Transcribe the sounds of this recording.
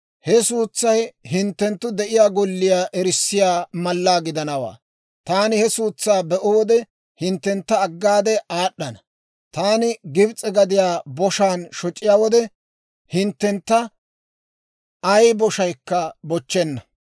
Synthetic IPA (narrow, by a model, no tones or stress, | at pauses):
hɛsuːt͡sːɐjhɪnt̪ːɛnt̪ːʊd̪ɛʔɪjaːɡɔlːɪjaːʔɛɾɪsːɪjaːmɐlːaːɡɪd̪ɐnɐwa̰ː | t̪aːnɪhɛsuːt͡sːaːbɛʔʊwɔd̪ɛ | hɪnt̪ːɛnt̪ːɐːɡːaːd̪ɛʔaːɗːɐnɐ | t̪aːnɪɡɪbt͡sʼɛɡɐd̪ɪjaːbɔʃaːnʃɔt͡ʃʼːɪjaːwɔd̪ɛ | hɪnt̪ːɛnt̪ːɐ | ʔɐjbɔʃɐjkːɐbɔt͡ʃːɛnːɐ